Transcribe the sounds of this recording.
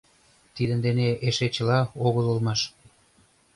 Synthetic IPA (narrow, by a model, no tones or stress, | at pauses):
t̪id̪ə̆nd̪eneʔeʃet͡ɕəlɑoɣəlulmɑʃ